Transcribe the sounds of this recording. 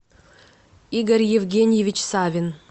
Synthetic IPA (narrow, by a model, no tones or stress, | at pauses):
iɡəɾʲjevɡʲenʲjevʲit͡ɕsavʲɪn